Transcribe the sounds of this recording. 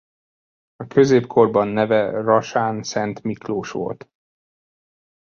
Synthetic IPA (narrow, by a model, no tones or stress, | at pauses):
ɒkø̞zeːpkʰo̞rbɒnːɛvɛrɒʃaːnsɛnt̪mikloːʃʋo̰lt̪